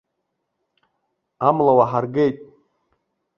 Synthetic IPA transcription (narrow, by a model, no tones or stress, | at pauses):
amlawaħarɡejtʼ